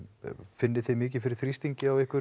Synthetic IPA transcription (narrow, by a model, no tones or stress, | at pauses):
fɪnːɪθimɪːc̬ɪfɪɾɪɾ̥θɾist̪iɲcɪawɪhkvʏ